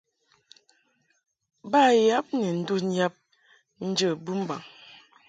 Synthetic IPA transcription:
ba˦˨ja˦p̚ne˨n̩˦du˦n̩˦ja˦p̚ | n̩˦d͡ʒə˦˨bu˦m̩˦ba̰˨ŋ

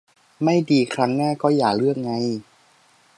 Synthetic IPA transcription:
ma˥˩jdiː˧kʰɾa˦˥ŋnaː˥˩kɔː˥˩jaː˨˩k̚lɯ˥˩ək̚ŋa˧j

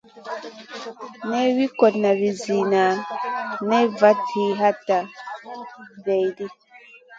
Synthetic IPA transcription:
nɛ˦wi˦kɔ˨tna˨βi˨zi˨na˨ | nɛ˦va˦tʰi˨˦ɦa˦ta˨ | vɛ˨jdi˦

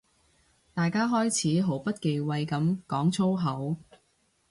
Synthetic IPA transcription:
t̪aː˨jkaː˥ɦɔː˥jt͡sʰiː˨˥ɦo˨˥wpɐ˥t̚ke˨jwɐ˧jkɐ˨˥mkɔː˨˥ŋt͡sʰo˥wɦɐ˨˥w

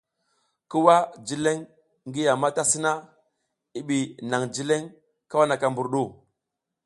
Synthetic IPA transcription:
ki˦wa˦d͡ʒi˦le˦ŋː | ɡi˦ja˨ma˦ta˦si˦na˦ | i˦ɓi˨na˨ŋd͡ʒi˦le˦ŋ | ka˦wa˦na˨ka˨mbu˨ɾɗu˦˨

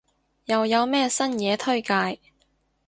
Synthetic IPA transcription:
jɐ˨wjɐ˨˧wmɛː˥˩sɐ˥njɛː˨˧t̪ʰɵ˥ɥkaː˧j

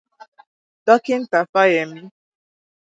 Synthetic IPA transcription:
dɔ˦kɪ˦n̩˦ta˨fa˦je˨m̩˦

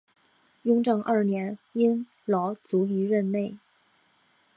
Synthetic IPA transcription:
jʊ˥ŋʈ͡ʂɤ˥˧ŋʔɐ˞˥˩njɛ˧˥ni˥n | lɔ˧˥ʊt͡su˧˥y˧˥ɻə˥˧nne˥˩ɪ

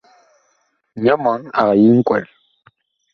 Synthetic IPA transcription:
ɲa˦ma˨˦ŋa̰˨ɣa˨ji˦ŋ̩˦kwɛ̰˨l

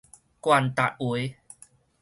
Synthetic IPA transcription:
kwa˧˨nt̪a˨t̚wi˧˨˦

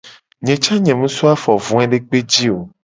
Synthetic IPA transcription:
ɲɛ̃˨t͡ʃa˦ɲɛ̃˨mũ˦su˦a˦fɔ˨vũ˨ɛ̃˦ɖe˦k͡pe˦d͡ʑi˦o˨

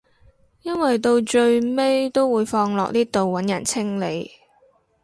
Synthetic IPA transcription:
jɐ˥nwɐ˨jt̪o˧wt͡ʃɵ˧ɥme˥jt̪o˥wwuː˨˧jfɔː˧ŋlɔ̰ː˨k̚niː˥t̪o˨wwɐ˨˥njɐ˨˩nt͡sʰɪ˥ŋle˨˧j

